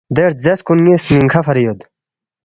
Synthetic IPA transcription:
d̪eɾ̚zeskunjesniŋkʰafɐɾijod̪

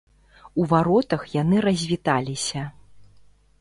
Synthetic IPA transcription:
uvaɾɔt̪ɐxjanɨɾɐzʲvʲit̪alʲisʲɐ

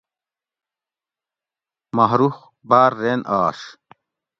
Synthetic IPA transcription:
mɐɦɾux | baːɾːeːnʔaːʂ

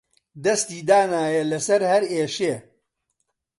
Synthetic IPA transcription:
d̪ɐst̪iːd̪aːnaːjɐlɐsɐɾhɐɾeːʃeː

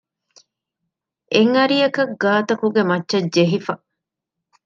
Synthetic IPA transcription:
eŋɐɾijɐkɐɡaːt̪ɐkuɡemɐtːʃɐdd͡ʒeɦifɐʔ

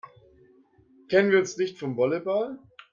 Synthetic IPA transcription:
kʰɛnənviːɐʊnsnɪçtfɔmvɔlebal

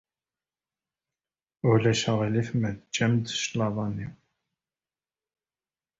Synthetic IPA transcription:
ʊlæʃæʁilifmæðt͡ʃːæmd̪əʃlɑðˤɑniw

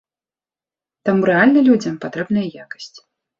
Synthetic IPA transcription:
t̪amuɾɛalʲnɐlʲud͡zʲɐmpat̪ɾɛbnɐjɐjakɐ̥sʲt͡sʲ

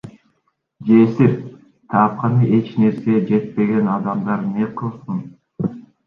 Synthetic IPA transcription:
d͡ʒesiɾ | t̪ʰɑp̚qɑnɯʔe̞t͡ʃne̞ɾse̞d͡ʒe̞t̪̚pe̞ɡe̞nɑd̪ɑmd̪ɑɾneqʰɯlˠsɯn

